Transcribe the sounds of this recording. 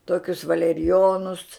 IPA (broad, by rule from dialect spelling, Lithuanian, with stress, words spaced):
ˈtoːkʲʊs ʋɐlʲɛrʲɪˈjoːnʊs